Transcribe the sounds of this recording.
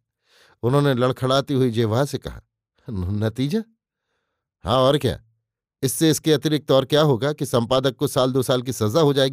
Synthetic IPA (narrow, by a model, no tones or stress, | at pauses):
ʊnɦõːnelɐɽkʰɐɽaːt̪iɦʊid͡ʒeːʋaɦasekɐ̰ɦa̰ | nɐt̪iːd͡ʒa | hã̰ːɔːɾkja̰ː | ɪsːeɪskeɐt̪ɾɪk̚t̪ɔːɾkjaːɦoːɡakisɐ̃mpaːd̪əkːosaːld̪oːsaːlk̬isɐzaɦod͡ʒaːeːɡiː